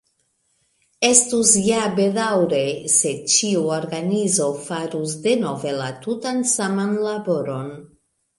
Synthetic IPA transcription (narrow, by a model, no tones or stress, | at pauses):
e̞stusjabe̞dawɾe̞se̞t͡ʃiuoɾɡanizo̞faɾus̬de̞no̞ve̞latutansamanlabo̞ɾo̞n